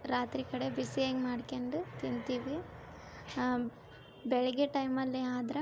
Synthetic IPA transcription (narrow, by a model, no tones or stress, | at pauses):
ɾaːt̪ɾikɐɽebisieːɡmaːɖkeɳɖut̪int̪iːʋi | bɛɭɛɡeʈɐjmɐlːiaːd̪ɾɐ